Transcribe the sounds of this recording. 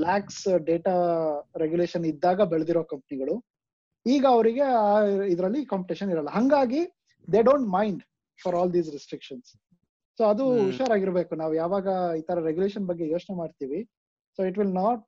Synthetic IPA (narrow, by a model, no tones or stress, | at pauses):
laːksɖeːʈaɾeɡjuleːʃɐnid̪ːaːɡɐbɛɭɐd̪iɾoːkɐmpɐniɡɐɭu | iːɡɐːʋɐɾiɡe̞aid̪ɐɾɐlːikaːmpiʈeʃɐniɾɐlːɐɦɐŋɡaːɡi | d̪eɖoːɳʈmɐjɳɖ | fʰɐɾɔːld̪iːzɾisʈɾikʃɐnsː | oːɐd̪uʋiʃaːɾaːɡiɾbe̞ːkunaːʋujaːʋaːɡɐiːt̪ʰɐɾɐɾeɡjuleːʃɐnbɐɡːe̞jo̞ːt͡ʃnemaːɖt̪iːʋi | soːiʈʋilnaːʈ̚